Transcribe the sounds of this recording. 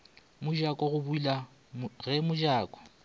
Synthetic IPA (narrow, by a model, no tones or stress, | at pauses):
mʊd͡ʒakʼɔɣʊbʊila | ɣɛmʊʒaːkʼɔ̥